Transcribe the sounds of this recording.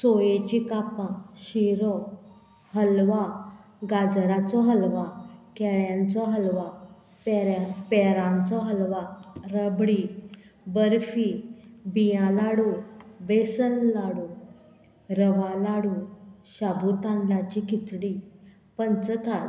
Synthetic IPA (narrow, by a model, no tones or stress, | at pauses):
sojet͡ɕikapãɕiɾɔ | həlʋa | ɡad͡zɾat͡sɔɦəlʋakɛɭjãnt͡sɔɦəlʋa | pɛɾapɛɾãnt͡sɔɦəlʋaɾəbɽi | bəɾfibijãlaɽũbesənlaɽu | ɾəʋalaɽũɕabut̪ãɳɖlat͡ɕikit͡sɽi | pənt͡səka